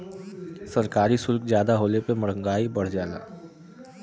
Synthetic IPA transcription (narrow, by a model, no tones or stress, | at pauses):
sɐɾkaːɾisʊlkd͡ʒjaːd̪aɦoːlepemɐɽ̤ə̃ŋɡaːibɐɽ̤d͡ʒaːla̰ː